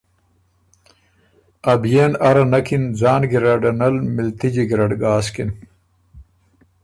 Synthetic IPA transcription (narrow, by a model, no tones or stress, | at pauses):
ɐbjeːnɐɾɐnɐkinzaːnɡiɾɐɖɐnɐlmilt̪id͡ʑiɡiɾɐɖɡaːskin